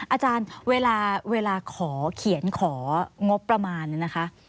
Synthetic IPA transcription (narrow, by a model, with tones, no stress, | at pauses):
ʔaː˧t͡ɕaː˧nweː˧laː˧weː˧laː˧kʰɔː˩˦kʰi˩˦ənkʰɔː˩˦ŋo˦˥pːɾa˧maː˧nna˦˥kʰa˦˥ʔ